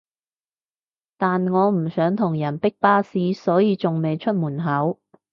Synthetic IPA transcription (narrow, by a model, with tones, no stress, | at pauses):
t̪aː˨nŋɔː˨˧m̩˨˩sœː˨˥ŋt̪ʰʊ˨˩ŋjɐ˨˩npɪ˥k̚paː˥siː˧sɔː˨˥jiː˧t͡sʊ˨ŋme˨˧jt͡ʃʰɵ˥t̚muː˨˩nɦɐ˨˥w